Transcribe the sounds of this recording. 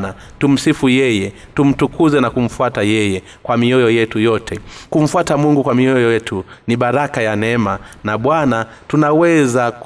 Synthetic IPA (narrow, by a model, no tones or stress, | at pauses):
na | tum̩sifujɛjɛ | tum̩tukuzɛnakum̩fuatajɛjɛ | kwamiɔjɔjɛtujɔtʰɛkum̩fwatamuŋɡukwamiɔjɔjɛtʰuniɓaɾakajanɛmanaɓwana | tunawɛzak